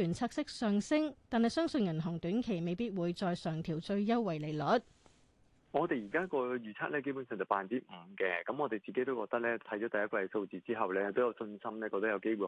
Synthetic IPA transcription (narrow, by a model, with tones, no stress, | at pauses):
yː˨˩nt͡sʰaː˧k̚sɪ˥k̚sœː˨ŋsɪ˥ŋt̪aː˨nhɐ˨jsœː˥ŋsɵ˧njɐ˨˩nɦʊ˨˩ŋt̪yː˨˥nkʰe˨˩jme˨˧jpiː˥t̚wuː˨˧jt͡sɔː˧jsœː˨˩ŋt̪ʰiː˨˩wt͡sɵ˧ɥjɐ˥wwɐ˨˩jle˨˩jlɔ˨˥t̚ | ŋɔː˨˧t̪e˨jiː˨˩kaː˥kɔː˧jyː˨˩t͡sʰaː˥k̚lɛː˥ke˥jpu˨˥nsœː˨ŋt͡sɐ˨˩wpaː˨˧nt͡siː˥m̩˨˩kɛː˧kɐ˨˦mŋɔː˨˧t̪e˨jt͡siː˨ke˨˥jt̪o˥wkɔː˧k̚t̪ɐ˥k̚lɛː˥t̪ʰɐ˨˥jt͡ʃɔː˨˥t̪ɐ˨jɐ˥kwɐ˧jso˧wt͡siː˨t͡siː˥ɦɐ˨wlɛː˥t̪o˥wjɐ˨˧wsɵ˧nsɐ˥mlɛː˥kɔː˧k̚t̪ɐ˥jɐ˨˧wke˥jwuː˨